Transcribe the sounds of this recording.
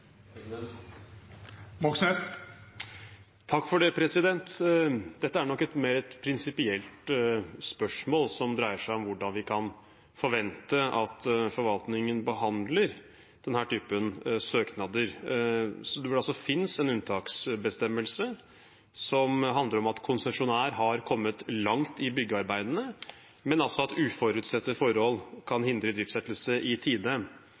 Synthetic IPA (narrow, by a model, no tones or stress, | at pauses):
mɔksnɛs | t̪ʰɑkːfɔɖeːpʰɾɛsɪd̪ɛnt̪d̪ɛt̪ːəæɳɔkːɛt̪meːɾɛt̪pʰɾɪnsɪpɪɛlt̪spœʂmoːlsɔmd̪ɾæɪəʂæɪɔmʋʊɖɑnʋɪkʰɑn | fɔɾʋɛnt̪əʔɑt̪fɔɾʋɑlt̪nɪŋənbəɦɑnd̪ləɾ | d̪̥ɛnhæːʈʰyːpənsøːknɑd̪əɾ | sɔd̪ɛʋɛɑlsɔfɪnsɛnʉnt̪ʰɑːksbəst̪ɛmːəlsə | sɔmɦɑnd̪əɾɔmɑt̪kʰʊnsɛʂʊnæːɾɦɑɾkʰɔmːət̪lɑŋt̪ɪbʏɡːəɑɾbæɪd̪ənə | mɛnɑlsɔɑt̪ʉːfɔɾʉt̪sɛt̪ːəfɔɾɔlkʰɑnhɪnd̪ɾəd̪ɾɪːft̪sɛt̪ːəl̩səʔɪt̪ʰiːd̪ə